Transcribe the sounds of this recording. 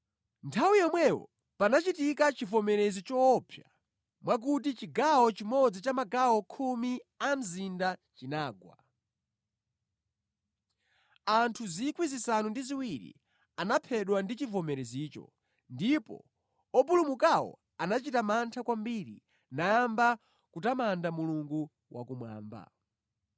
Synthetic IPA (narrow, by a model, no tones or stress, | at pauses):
ntʰawijɔmwɛwɔ̰ | panat͡ʃitikat͡ʃivɔmɛɾɛzit͡ʃɔːpʰja | mwak̬utit͡ʃiɡawɔt͡ʃimɔd͡zit͡ʃamaɡawɔkʰumiam̩zindat͡ʃinaːɡwa̰ | antʰuzikwizisanundiziwiɾḭ | anapʰɛɗwandit͡ʃivɔmɛɾɛziːt͡ʃɔ̰ | ndipɔ̰ | ɔpulumukawɔ̰ | anat͡ʃitamantʰakwambiɾḭ | najamba | kutamandamuluŋɡu | wʔa̰kumwa̰ːmba̰